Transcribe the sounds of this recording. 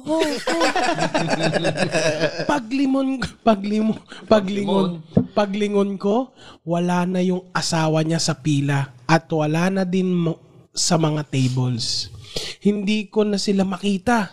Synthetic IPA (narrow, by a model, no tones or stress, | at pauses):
o | pɐɡ̚lɪmonkpɐɡlɪmopɐɡlɪŋonpɐɡlɪŋonko̞wɐlaːnɐjʊŋʔɐsaːwɐɲasɐpiːlɐʔɐt̪wɐlaːnɐd̪ɪnm | sɐmɐŋat̪ejbols | hɪnd̪iːko̞nɐsɪlamɐkiːt̪ɐ